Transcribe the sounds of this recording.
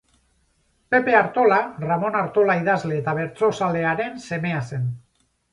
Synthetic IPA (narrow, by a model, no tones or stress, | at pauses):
pe̞pe̞aɾt̪o̞laramo̞naɾt̪o̞laiðazle̞ːt̪aβ̞e̞ɾt͡so̞sale̞aɾe̞nse̞me̞ase̞n